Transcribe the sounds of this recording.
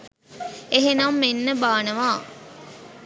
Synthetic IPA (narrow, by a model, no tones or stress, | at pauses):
eɦenamːenːəbaːnəʋaː